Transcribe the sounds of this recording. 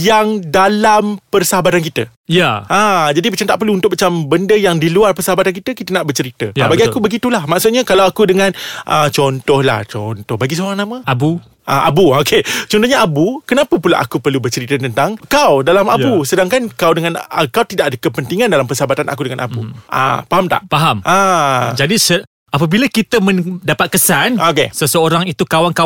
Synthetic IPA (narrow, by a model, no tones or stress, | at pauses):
jaŋdalampərsəɦabat̪ankit̪ə | jaʔãd͡ʒadimat͡ʃamt̪aʔpərluːnt̪ʊk̚mat͡ʃambəndəjaŋdiluarpərsəɦabat̪ank̬it̪əkit̪ənaʔbərt͡ʃəɾit̪əabaɡiakubəɡit̪ulahmaʔsʊt̪̚ɲakalawakudəŋãnʔət͡ʃɔnt̪ɔhla̰ht͡ʃɔnt̪ɔhbaɡis̬oɾaŋnãmə̃abu | ʔaʔa̰buoket͡ʃɔnt̪ohɲaabukənãpəpula̰ʔa̰kupərlubərt͡ʃəɾit̪ət̪ənt̪aŋkawdalamajbusədaŋkankawdəŋãnəkawt̪idaʔ̚adakəpənt̪iŋãndalampəsabat̪anʔa̰kudəŋanʔa̰buʔa̰paɦamt̪a̰ʔpaɦamʔad͡ʒadisə | apabilakit̪əmə̃dapat̪̚kəsanokesəsəoɾaŋit̪ukawaŋka